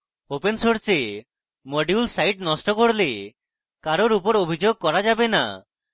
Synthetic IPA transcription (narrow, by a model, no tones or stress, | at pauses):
opensoɾse | mɔɖijulsajʈnɔsʈɔkoɽle | kaɾoɾupɔɾobʱid͡ʒoɡ̚kɔɾad͡ʒabena̰